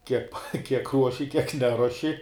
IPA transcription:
ˈkʲiɛk kʲiɛk ˈruɔʃʲɪ kʲiɛk ˈnʲæːruɔʃʲɪ

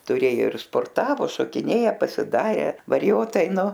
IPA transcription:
tʊˈrʲeːjoː ɪr spoːrˈtɑːʋoː ʃoːkʲɪˈnʲeːjɛ pɐsʲɪˈdɑːrʲɛ ʋɐrʲɪˈjoːtɐɪ ˈnʊ

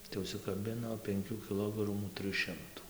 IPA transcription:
tɐɪ ʊʃʲsʲɪkɐˈbʲɪnoː pʲɛŋʲˈkʲuː kʲɪˈlˠoːɡrɐmuː ˈtrɨj ˈʃʲɪmtuː

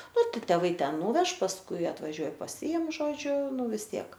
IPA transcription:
ˈnʊ ˈtʲɪk tʲɛˈʋɐɪ ˈtʲɛn ˈnuːʋʲɛʃ pɐsˈkʊɪ ɐtʋɐˈʒʲuɔj pɐˈsʲɪɪm ˈʒoːd͡ʒʲʊ ˈnʊ ʋʲɪs ˈtʲiɛk

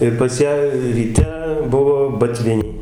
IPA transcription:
ɪr pɐs ˈjæː rʲiːˈtʲɛ ˈbʊʋoː bɐˈtʲʋʲɪnʲɛɪ

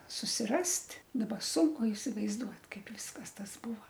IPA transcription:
sʊsʲɪˈrɐsʲtʲ dɐˈbɐ ˈsʊŋkʊ ɪsʲɪʋɐɪzˈduɔt ˈkɐɪp ˈʋʲɪskɐs ˈtɐs ˈbuːʋɐ

